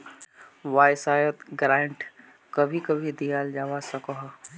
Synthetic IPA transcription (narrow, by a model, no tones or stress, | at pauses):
ʋaːjsaːjət̪ɡɾãːɳʈ | kɐbʱikɐbʱid̪ijaːld͡ʒaːʋasɐkoɦ